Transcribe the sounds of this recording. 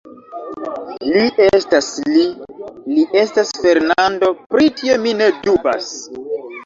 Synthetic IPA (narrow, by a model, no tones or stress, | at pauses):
liʔe̞stasliliʔe̞stasfe̞ɾnando̞pɾitio̞mine̞duba̰s